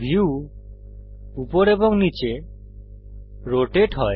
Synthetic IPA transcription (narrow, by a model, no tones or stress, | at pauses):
bʱiu | upɔɾebɔŋnit͡ʃe | ɾoʈeʈɦɔe